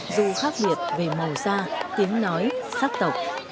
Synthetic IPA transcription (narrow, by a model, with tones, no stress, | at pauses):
zu˨˩xaː˦˥k̚ɓi˨˩ət̚ve˨˩mə˨˩wsaː˧t̪i˨˦ənnɔ˨˦jsaː˦˥k̚t̪ə˨˩wk͡p̚